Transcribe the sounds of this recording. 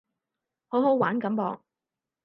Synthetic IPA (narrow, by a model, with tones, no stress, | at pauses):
ho˨˥wɦo˨˥waː˨˥nkɐ˨˥mpɔː˧ŋ